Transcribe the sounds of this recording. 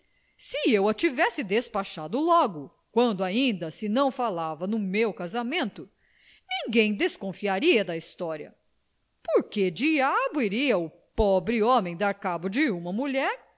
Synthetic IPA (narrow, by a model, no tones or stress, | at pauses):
sɪewɐt͡ʃivɛsɪd̪espaʃad̪ʊlɔɡʊ | kwɐ̃nd̪ʊaĩnd̪ɐsɪnɐ̃w̃falavɐnʊmewkazamẽnt̪ʊ | nĩŋɡẽj̃d̪eskõfiaɾiɐd̪ɐist̪ɔɾiɐ̰ | poɾked͡ʒiabʊiɾiɐʊ | pɔbɾɪõmẽj̃d̪aɾkabʊd͡ʒɪũmɐmuʎɛɾ